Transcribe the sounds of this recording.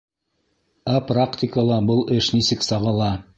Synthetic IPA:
æpraktʲɪkəlˠɑbɤlˠɘʃnisɘksɑʁɤ̆lˠɑ

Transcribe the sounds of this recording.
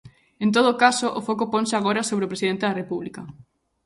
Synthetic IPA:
ent̪̬oð̞oːkasoʔofokopɔnsɪaɣ̞oɾasoβɾeopɾesiðent̪eðarepuβlikɐ

